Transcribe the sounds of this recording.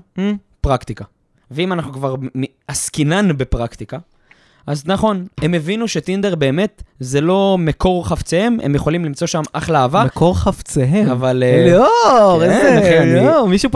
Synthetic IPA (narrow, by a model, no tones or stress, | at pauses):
pʁakt̪ika | veimanaχnukvaʁm | askinanbepʁakt̪ika | aznaχo̞ne̞mevinuʃe̞t̪ind̪eʁbe̞ːme̞t̪zelo̞meko̞ʁχaft͡sehememjeχo̞limlimt͡so̞ʃamʔaχleaːvamekoʁχaft͡seɦeavalloeeeeχenomiʃu